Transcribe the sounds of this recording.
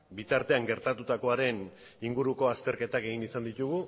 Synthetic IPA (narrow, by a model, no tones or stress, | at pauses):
bit̪aɾt̪e̞aŋɡe̞ɾt̪at̪ut̪ako̞aɾe̞n | iŋɡuɾuko̞ast̪e̞ɾke̞t̪ake̞ɣ̞inisand̪it̪uɣ̞u